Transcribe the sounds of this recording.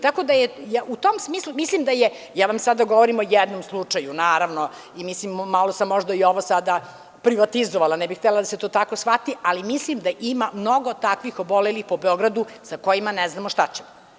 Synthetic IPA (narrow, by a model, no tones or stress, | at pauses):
t̪ako̞d̪ajejaʔut̪omsmiːslˠumislimd̪aje | jaːʋamsad̪aɡoʋoɾimojɛd̪nomslˠut͡ʂajunaːɾaʋno | imislimːalo̞samːoʒd̪aio̞ʋosad̪a | pɾiʋat̪izoʋalanɛbixt̪ɛlad̪ase̞t̪oːt̪akosʋat̪iʔalimislimd̪aʔimamno̞ɡot̪akʋixobolelixpobeo̞ɡɾad̪usako̞jimanɛznamoʃt̪at͡ɕem